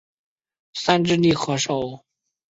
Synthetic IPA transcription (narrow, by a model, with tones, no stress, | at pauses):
sa˥nʈ͡ʂɻ̩˥˧li˥˩xɤ˧˥ʂo˨˩ʊ